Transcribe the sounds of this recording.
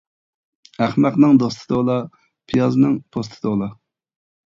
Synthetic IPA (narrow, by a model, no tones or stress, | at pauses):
æχmæqnɨŋd̪ost̪ʰɨ̥d̪olˠɑ | pʰijɑznɨŋpʰost̪ʰɨd̪olˠɑ